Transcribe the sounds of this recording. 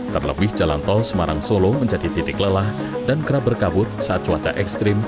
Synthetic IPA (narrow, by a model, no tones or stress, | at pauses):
t̪ərlə̰bɪhd͡ʒala̰nt̪ɔlsəmaɾaŋsoloməɲd͡ʒadit̪it̪ɪkləlah | danɡəɾabərkabʊt̪̚saʔat̪̚t͡ʃuwat͡ʃa̰ʔɛkst̪ɾɪm